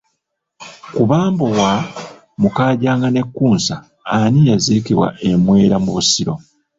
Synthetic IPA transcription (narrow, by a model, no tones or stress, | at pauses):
kuβaːmbo̞wa | mukaːɟaːŋɡane̞kːuːnsaː | nijazikiβwa̰ʔe̞mwe̞ːɾamuusiɾo̞